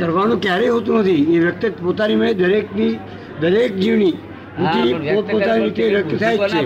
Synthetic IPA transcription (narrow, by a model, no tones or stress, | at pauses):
kəɾʋañũkjaɾeiɦot̪ũnət̪ʰieʋjək̚t̪it̪pot̪animəed̪əɾekni | d̪əɾek̚d͡ʒiʋni | ʋit̪ipopot̪aninit̪eɾəkt̪ət̪ʰajet͡ʃʃʰe